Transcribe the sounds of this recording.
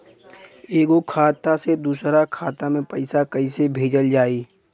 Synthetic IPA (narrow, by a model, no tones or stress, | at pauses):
eːɡokʰaːt̪ased̪uːsɾakʰaːt̪amẽpɐɪsakɐisebʱeːd͡ʒəld͡ʒaːiː